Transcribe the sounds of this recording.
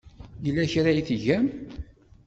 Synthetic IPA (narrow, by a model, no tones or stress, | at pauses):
jəlːæçɾajiθʝæm